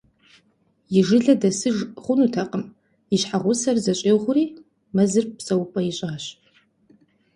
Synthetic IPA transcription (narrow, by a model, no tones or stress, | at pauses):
jɪʐɨɮɐdɐsɨʒχʷʊnutʰɐqʼəm | iɕħaʁʷʊsɐrzɐɕʼeːʁʷʊriː | mɐzɨrpsɐwpʼɐjiɪɕʼɪaɕ